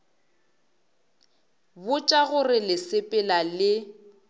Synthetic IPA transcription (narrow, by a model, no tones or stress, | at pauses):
bʊt͡ʃʼaɣʊrɪlɪsɪpʼɪlalɪ